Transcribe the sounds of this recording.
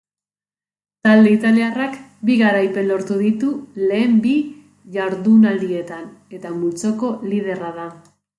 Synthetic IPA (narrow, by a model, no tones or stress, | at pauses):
t̪ald̪e̞it̪aliarakbiɣaɾajpe̞nlo̞ɾt̪uðit̪ule̞ːmbi | ʝaɾðunald̪ie̞t̪ane̞t̪amut͡so̞ko̞lið̞e̞raða